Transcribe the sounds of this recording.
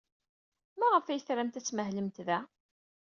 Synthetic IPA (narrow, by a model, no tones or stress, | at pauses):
mæʁəfæjəθɾæmt̪æt͡sːməɦləmt̪ðæ